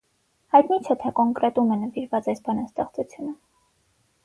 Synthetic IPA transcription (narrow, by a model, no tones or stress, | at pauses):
hɑjt̪nit͡ʃʰɛt̪ʰɛkɔŋkɾɛt̪umɛnəviɾvɑt͡sɑjsbɑnɑst̪ɛχt͡sut͡sʰjunə